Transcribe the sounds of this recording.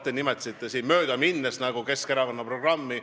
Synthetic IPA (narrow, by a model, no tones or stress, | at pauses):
t̪ːˑenimet̪ːˑi̥sit̪ˑːesiːnmø̞ːd̪ɑminːesnæɡ̥uke̞skeɾɑvɑnːɑpro̞ɡ̥rɑmːi